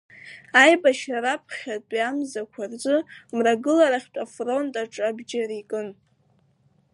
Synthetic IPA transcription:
ajbaʃaɾapʰχʲatʼiamzakʷʰard͡ʒʷʼɨmraɡɨlaɾaχʲtʷʼafro̞ntʼaʈ͡ʂʼabd͡ʒaɾikʼɨn

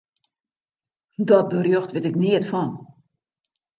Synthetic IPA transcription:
dɔt̚bərjøxtʋɪtɪkniətfɔn

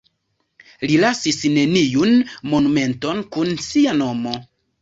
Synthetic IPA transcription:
lilasisne̞nijunmo̞nume̞nto̞nkunsiano̞mo̞

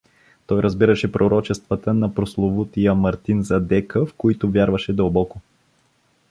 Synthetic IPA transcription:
t̪ɔjɾʔɐzbiɾəʃɛpɾoɾɔt͡ʃɛst̪vət̪ənɐpɾoslˠovut̪iəmɐɾt̪inzɐd̪ɛkəfkoit̪ʊvjaɾvɐʃɛd̪əlˠbɔko

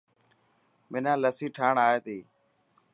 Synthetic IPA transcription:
mɪnãːləsiːʈʰaːɳaːeːt̪iː

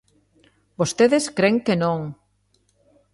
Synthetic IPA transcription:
bost̪eðeskɾeŋkenõŋ

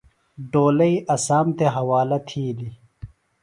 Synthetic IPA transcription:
ɖoːlɐiʔɐsaːmt̪eɦɐwaːlɐt̪ʰiːli

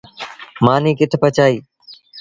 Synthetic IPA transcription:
maːnĩːkɪt̪ʰpət͡ʃʰaːiː

